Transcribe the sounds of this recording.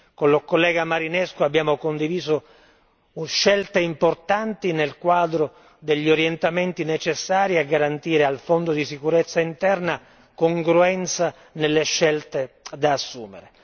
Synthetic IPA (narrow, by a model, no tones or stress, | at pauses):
konlokolːɛːɡamaɾinɛskoabːjaːmokond̪iviːzo | ʃːɛlt̪eimport̪ant̪inelkwaːd̪ɾo | d̪eʎːioɾjent̪ament̪inet͡ʃesːaːɾiaɡːaɾant̪iːɾealfond̪od̪isikuɾet̪sːaint̪ɛrna | koŋɡɾuɛnt̪sa | nelːeʃːɛlt̪ed̪aːsːuːmḛɾe